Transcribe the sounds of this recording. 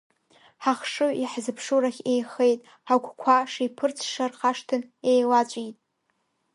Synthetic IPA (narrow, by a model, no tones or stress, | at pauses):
ħaχʂɨiħzɨpʰʂuɾaχʲejχejtʼ | aɡʷʰʼkʷʰaʂipʰɨrt͡sʰʂarχaʂtʰɨnejlat͡ɕʷʼitʼ